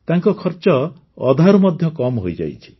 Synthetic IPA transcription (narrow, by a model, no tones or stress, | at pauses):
t̪aŋkɔkʰɔɾt͡ʃɔ | ɔd̪ʱaɾɔmɔd̪ʱjɔkɔmɦojd͡ʒa̰jt͡ʃʰi̥